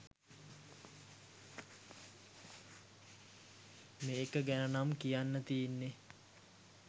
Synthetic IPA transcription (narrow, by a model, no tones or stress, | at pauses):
meːkəɡænənamkijanːət̪ijenːe